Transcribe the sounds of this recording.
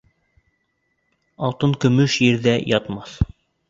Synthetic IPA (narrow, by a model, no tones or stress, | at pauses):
ɑlˠt̪ɤŋkɵ̆mɵʃjɘ̆ɾðæjɑt̪mɑθ